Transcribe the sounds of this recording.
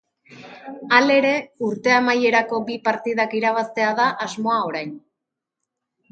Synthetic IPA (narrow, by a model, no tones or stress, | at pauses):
ale̞ɾe̞uɾt̪e̞amaje̞ɾako̞bipaɾt̪iðakiɾaβ̞ast̪e̞aðaʔazmo̞ao̞ɾajn